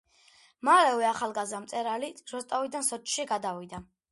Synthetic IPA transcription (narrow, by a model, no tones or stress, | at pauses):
malɛvɛaχalˠɡazamt̪sʼɛɾaliɾɔst̪ʼavid̪ansɔt͡ʃʰʼʃiɡad̪awid̪a